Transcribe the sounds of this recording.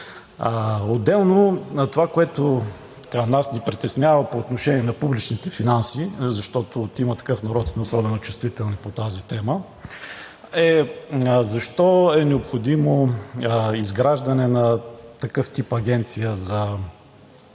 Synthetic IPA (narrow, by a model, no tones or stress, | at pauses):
od̪ːɛlˠnot̪ovakoɛt̪o | t̪ɐ̥kanasnipɾit̪ɛsnʲavɐpoːt̪noʃɛniɛnɐpublit͡ʃnit̪ɛfinansizɐʃt̪ɔt̪ot̪imət̪ɐ̥kɤfnɐɾɔt̪smɛosɔbɛnot͡ʃɛst̪vit̪ɛlˠnipot̪azit̪ɛmə | ɛ | zɐʃt̪ɔɛnɛopxod̪imo | izɡɾaʒd̪ɐnɛnɐt̪ɐkɤft̪ipɐɡ̟ɛnt̪sijəzɐ